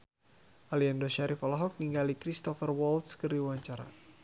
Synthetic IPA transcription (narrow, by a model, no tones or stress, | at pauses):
ʔaliandoʃaɾifɔlaɦɔk̚niŋɡalikɾist̪ɔfərwɔlt̪skəriuwaɲt͡ʃaɾa̰